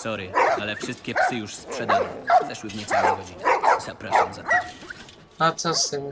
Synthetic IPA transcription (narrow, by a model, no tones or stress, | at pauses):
sɔɾɨalɛfʂɘst̪̚kʲɛpsɘjuʂspʂɛd̪awɛ̰zɛʃwɘvɲɛt̪sawɛɡɔd͡ʑinɛzapɾaʂamzat̪a | at̪sasɛm